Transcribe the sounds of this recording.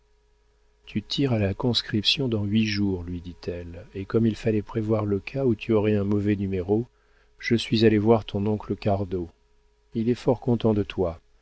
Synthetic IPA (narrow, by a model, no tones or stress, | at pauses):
t̪ʰyt̪ʰiʁalakɔ̃skχipsjɔ̃d̪ɑ̃ɥiʒuʁlɥid̪it̪ʰɛlekɔmilfalɛpχevwaʁləkʰaut̪ʰyɔʁɛɛ̃mɔvɛnymeʁo | ʒ̥əsɥizalevwaʁt̪ʰɔ̃nɔ̃kləkaʁd̪o | ilɛfɔʁkɔ̃t̪ɑ̃d̪ət̪wa